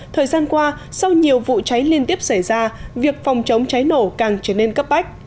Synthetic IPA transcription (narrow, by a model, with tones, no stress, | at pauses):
t̪ʰəː˨˩jzaː˧nkwaː˧sa˧wɲi˨˩əwvṵ˧˨t͡ɕa˨˦jli˧ənt̪i˦˥əp̚sa˧˩jzaː˧vi˨˩ək̚fɔ˨˩wŋ͡mt͡ɕə˨˦wŋ͡mt͡ɕa˨˦jno˧˩kaː˨˩ŋt͡ɕə˧˩ne˧nkə˦˥p̚ɓa˦˥k̟̚